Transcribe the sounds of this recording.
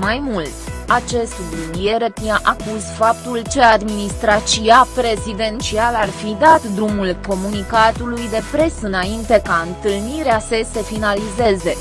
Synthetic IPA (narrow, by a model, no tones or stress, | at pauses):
majmult̪at͡ʃe̞st̪blunje̞ɾepiaʔakuzfap̚t̪ult͡ʃe̞ad̪minist̪ɾat͡ʃiapɾe̞zid̪e̞nt͡ʃialarfid̪at̪d̪ɾumulko̞munikat̪ulujd̪e̞pɾe̞sɨnaint̪e̞kaɨnt̪ɨlniɾeasese̞finalize̞ze̞